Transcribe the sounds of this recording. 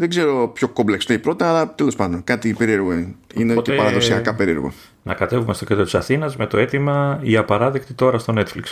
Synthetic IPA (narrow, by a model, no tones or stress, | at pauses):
ðe̞ɡze̞ɾo̞pço̞kobleksneipɾo̞t̪ɐːlɐt̪e̞lo̞spɐnd̪o̞nkɐt̪ipeɾie̞ɾɣoinetcepɐɾɐðo̞siɐkɐpe̞ɾie̞ɾɣo̰ | nɐkɐt̪e̞vume̞st̪oket̪ot̪u̥isɐθinɐzme̞t̪o̞e̞t̪imɐiɐpɐɾɐðekt̪it̪o̞ɾɐst̪o̞ne̞t̪fliks